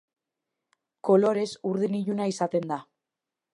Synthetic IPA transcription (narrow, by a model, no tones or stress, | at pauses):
ko̞lo̞ɾe̞suɾðiniʝunaisat̪e̞nd̪a